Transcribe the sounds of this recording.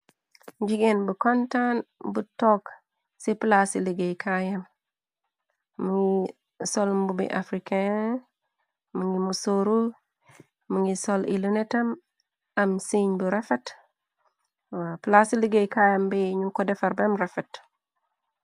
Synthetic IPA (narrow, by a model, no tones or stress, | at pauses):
d͡ʒiɡenbəkontanbutok | siplasiliɡejkʰajam | mːuŋɡi | solmbubḭʔa̰fɾike | muŋɡimusoɾu | muŋɡisolḭlunetɐm | amsiɲbuɾefet | wplasiliɡejkajambiɲukodɛfaɾbemɾefet